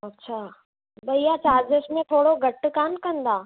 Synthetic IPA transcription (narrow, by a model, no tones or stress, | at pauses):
ɐtːɕʰaː | bɐijat͡ɕaːd͡ʑəʃmẽt̪ʰoːɽoɡʱɐʈkaːnkɐ̃nd̪aː